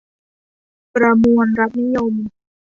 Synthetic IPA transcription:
pɾa˧mu˧ənɾa˦˥t̪̚ni˦˥jo˧m

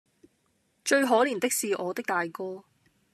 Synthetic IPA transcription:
t͡ʃɵ˧ɥɦɔː˨˥liː˨˩nt̪ɪ˥k̚siː˨ʔɔː˨˧t̪ɪ˥k̚t̪aː˨jkɔː˥

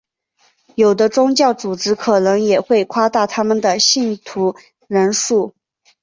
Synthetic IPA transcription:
jo˨˩ʊd̪ə˦ʈ͡ʂʊ˥ŋt͡ɕjɑ˥˩ʊt͡su˨˩ʈ͡ʂɻ̩˧˥kʰɤ˨˩nɤ˧˥ŋjɛ˨˩xwe˥˩ɪkʰwa˥t̪a˥˩t̪ʰa˥mə˨nd̪ə˩ɕi˥˩nt̪ʰu˧˥ | ɻə˧˥nʂu˥˩

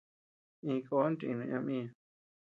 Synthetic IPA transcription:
ĩ˧ko˧˦nt̪i˧ĩ˧nũ˧ã˧mĩ˦a˧

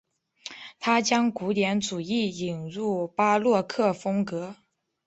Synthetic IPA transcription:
t̪ʰa˥t͡ɕjɑ˥ŋku˧˥t̪jɛ˧˥nt͡su˨˩i˥˩i˨˩nɻu˥˩pa˥lwɔ˥˩kʰɤ˥˩fɤ˥ŋkɤ˧˥

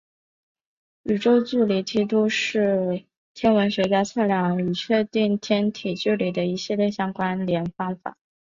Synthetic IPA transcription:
y˨˩ʈ͡ʂo˥ʊt͡su˥˩li˧˥t͡ɕ̪ʰi˥t̪u˥ʂɻ̩˥˩ | t̪ʰjɛ˥nwə˧˥nɕwɛ˧˥t͡ɕja˥t͡sʰa˥˧nljɑ˥˩ŋy˨˩t͡ɕʰɥɛ˥˧t̪i˥˩ŋt̪ʰjɛ˥nt̪ʰi˨˩t͡ɕy˥˩li˨˩d̪ə˦i˧˥ɕi˥˧ljɛ˥˩ɕjɑ˥ŋkwa˥nljɛ˧˥nfɑ˥ŋfa̰˨˩˦

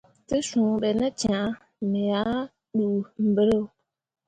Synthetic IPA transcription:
tə˦ʃũ˨ɓɛ˨nə˦t͡ʃã˨ | mə˨ja˦ | ɗu˨m̩˨bə˨ɾo˦˨

